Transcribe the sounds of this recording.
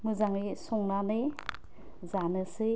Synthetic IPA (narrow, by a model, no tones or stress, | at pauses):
mɯzaŋɾisɔŋnanɯ | zanɯsɯ